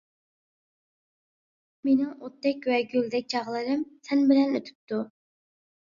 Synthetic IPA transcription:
menɪŋot̪ːɛkʲwɛɡʲøld̪ɛk̚ʲt͡ʃʰɑʁlˠɨɾɨmsɛnbɪlɛnøt̪ʰy̥p̚t̪ʰu

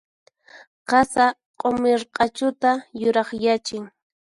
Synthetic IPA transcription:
qɑsa | qʼomɪɾqʼɑt͡ʃʊt̪ajʊɾɑχjat͡ʃɪŋ

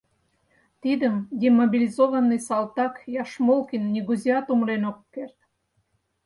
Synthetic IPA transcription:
t̪id̪əmd̪ʲemobʲilʲizovənːɨjsɑlˠt̪ɑkjɑʃmolˠkinːʲiɡuzʲiɑt̪umɾenokːert̪̚

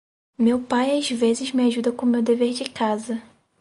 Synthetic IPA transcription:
mewpajazvezɪzmɪaʒud̪ɐkõmewd̪eveɾd͡ʒɪkazɐ

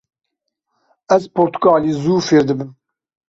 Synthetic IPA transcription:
ɛzpʰoɾt̪ʰu̥kaːliːzuːfeːɾd̪ɨbɨm

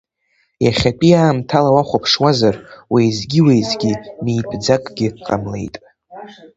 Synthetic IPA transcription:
jaχʲapʼiaːmtʰalawaχʷapʰʂwazarwejzɡʲiwejzɡʲimijpʼʰd͡zakʼɡʲɪqʼa̰mle̞̰jtʼ

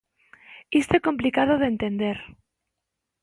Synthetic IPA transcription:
ist̪oeko̞mplikað̞oð̞ent̪end̪eɾ

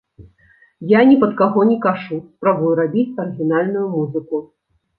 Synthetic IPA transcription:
janʲɛpɐt̪kaɣɔnʲɛkaʐuspɾabujuɾabʲit͡sʲɐɾɨɣʲinalʲnujumuzɨku

